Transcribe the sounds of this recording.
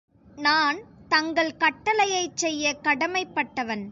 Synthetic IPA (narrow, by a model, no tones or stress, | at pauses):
naːnt̪ɐŋɡɐɭkɐʈːɐlɐjɐɪt͡ʃːɛjːɐkɐɽɐmɐɪpːɐʈːɐʋɐn